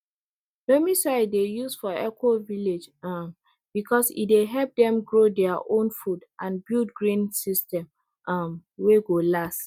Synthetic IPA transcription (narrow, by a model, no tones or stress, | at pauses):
domisaɪdejusfɔɛkʰoviled͡ʒm | b̥ikʰɔsḭt̚deɦɛp̚dɛ̃mɡɹodɛaʔõnfudʔãnbildɡɹĩnsistɛ̃m | ʔʌmweɡolas